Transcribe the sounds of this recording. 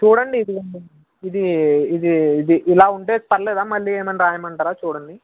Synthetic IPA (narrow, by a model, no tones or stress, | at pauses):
t͡ʃuːɽɐɳɖiːd̪iɐɳɖi | id̪iːd̪iid̪iʔːlaːuɳʈeːspɐɾɐlɛːd̪aːmɐlːiːe̞ːmɐniɾaːjɐmɐɳʈaːɾaːt͡ʃuːɽɐɳɖi